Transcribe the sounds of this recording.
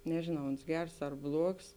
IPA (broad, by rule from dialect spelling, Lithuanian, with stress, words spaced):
nʲɛʒʲeːˈnɐʊ ˈoːns ˈɡʲɛrs ɐr ˈblˠuɔks